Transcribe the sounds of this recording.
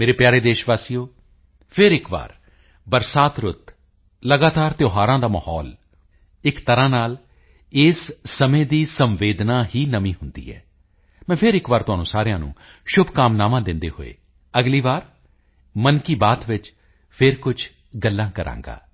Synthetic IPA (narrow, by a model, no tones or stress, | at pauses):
meːɾeːpɪjaːɾeːd̪eːʃʋaːsiːoː | pʰɪɾɪkʋa̰ːɾ | bəɾsaːt̪ɾʊt̪ | ləɡaːt̪aːɾt̪joːɦaːɾãːd̪aːməhɔ̰ːl | ɪkt̪əɾãːnaːl | ɪːsːəmẽːd̪iːsəmʋeːd̪naːɦiːnəmĩːɦʊnd̪ḭːɦɛ̰ː | mɛ̃ːpʰɪɾɪkʋaːɾt̪ʊɦaːnũːsaːɾɪjãːnṵ̃ː | ʃʊbʱkaːmnaːmãːd̪ɪnd̪ḛːɦo̰ḛː | əɡliːʋaːɾ | mənkiːbaːt̪ʋɪt͡ʃ | pʰɪɾkʊd͡ʒʰ | ɡəlːãːkəɾʔã̰ːŋɡa̰ː